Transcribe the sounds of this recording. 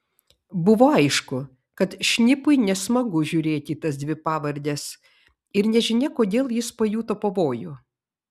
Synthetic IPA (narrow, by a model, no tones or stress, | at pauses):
bʊʋoːɐɪʃkʊ | kɐt̪ʃʲnʲɪpʊɪnʲɛsmɐɡʊʒʲʊːɾʲeːt̪ʲiːt̪ɐs̬d̪ʲʋʲɪpɑːʋɐɾʲd̪ʲɛs | ɪɾnʲɛʒʲɪnʲɛkoːd̪ʲeːlˠjɪspoːjuːt̪oːpɐʋoːjʊ